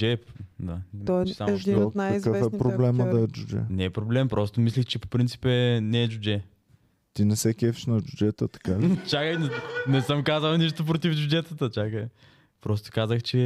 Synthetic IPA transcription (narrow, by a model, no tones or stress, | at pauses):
ɛpd̪aɔt͡ʃsamd̪inajkizkəfɛpɾoblɛməd̪ɐɛd͡ʒud͡ʒɛ̰nɛɛpɾoblɛmpɾʔɔst̪omislʲixt͡ʃɛpo̥pɾint̪si̥pɛnɛːd͡ʒud͡ʒɛ | t̪inɛsɛkʲɛfi̥ʃnɐd͡ʒud͡ʒɛt̪ət̪ɐ̥kat͡ʃakəjnɛnɛsəmkazɐlˠniʃt̪op̬ɾot̪ifd͡ʒud͡ʒɛt̪ət̪ət͡ʃakə | pɾɔst̪o̥kazəxt͡ʃɛ